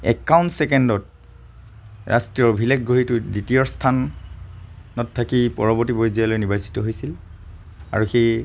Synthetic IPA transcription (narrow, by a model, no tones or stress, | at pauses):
ɛ̰kːawntsɛkendɔt̚ | ɹa̰stɹijɔɹbʱilɛkɡʱoɹitʊditijɔɹstʰan | ɔtʰːakipɔɹɔbɔɹtibojzialojnibajsi̥tɔɦojsil | a̰ɹuxej